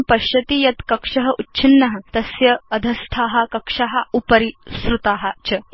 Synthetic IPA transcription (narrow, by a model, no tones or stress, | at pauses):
pɐɕɐt̪ijɐt̪kɐkʂɐɦɐʔutːɕʰinːɐɦɐt̪ɐsjɐːd̪ʱɐst̪ʰaːɦɐkɐkʂaɦɐupɐɾisɾut̪aːɦɐt͡ɕɐ